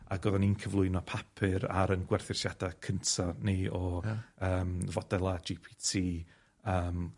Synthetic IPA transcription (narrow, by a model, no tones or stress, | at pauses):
aɡɔðɔninkʰəvlˠʊɨnɔpʰapʰɪɾa̰ɾənɡwɛrθɪrsjadakʰəntʰɔniɔəːmvɔdɛlˠad͡ʒipʰitʰiː | əːm